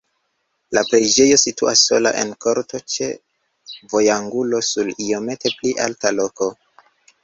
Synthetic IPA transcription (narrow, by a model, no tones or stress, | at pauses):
lapɾe̞d͡ʒe̞jo̞sitṵasːo̞̰la̰ʔe̞̰nko̞ɾto̞t͡ʃe̞̰ | vo̞jaŋɡulo̞sulio̞me̞te̞pliʔaltalo̞ko̞